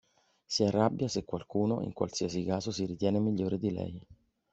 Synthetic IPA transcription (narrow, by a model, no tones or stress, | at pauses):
siɛrːabːjasekːwalkuːno̰ʔḭŋkwa̰lsiasikaːzosiɾit̪jɛːnemiʎːoːɾed̪ilɛ̰j